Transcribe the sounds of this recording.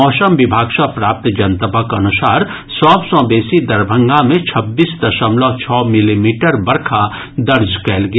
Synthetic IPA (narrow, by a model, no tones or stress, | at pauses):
ɔːsəmbɪbʱaːɡʃapɾaːp̚t̪d͡ʒɐnt̪əbʱəkɐnʊsaːɾ | sɔːbsɔ̃beːsid̪ɐɾbʱə̃ŋɡʱãmẽt͡ʃʰɐbːiːsd̪ɐʃəmlɔːt͡ʃʰɔːmɪlimiːʈəɾbɐɾkʰa | d̪ɐɾd͡ʒkɛːlɡɪ